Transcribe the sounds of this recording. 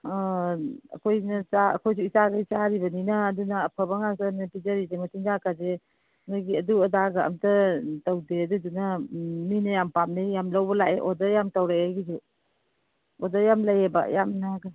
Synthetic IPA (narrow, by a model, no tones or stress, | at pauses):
ɐ̰kʰojnɐsaɐ̰kʰojs̬uisaɡajsaɾibɐninɐːdunɐːpʰəbaŋasanpizaɾizematiŋzakaze | naɡiɐduɐdaɡaɐ̰mtɐtawdeɐdudunaminɐjampamnajamlawbɐlaʔeʔɔdɐjamtawɾaaɡizu | ɔdɐjamlajeba̰jamnaɡa